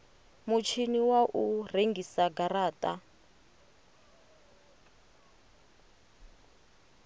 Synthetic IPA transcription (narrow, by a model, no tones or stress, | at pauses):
mut͡ʃʰiniwaʔureŋɡisaɡaɾaːtʼa